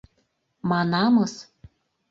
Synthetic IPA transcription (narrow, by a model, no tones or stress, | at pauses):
mɑnɑmɤs